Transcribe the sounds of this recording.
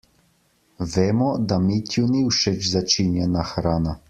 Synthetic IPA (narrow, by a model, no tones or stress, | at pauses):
ʋeːmɔd̪amit̪ʰjuniwʃɛt͡ʃzat͡ʃinjɛnaxɾaːna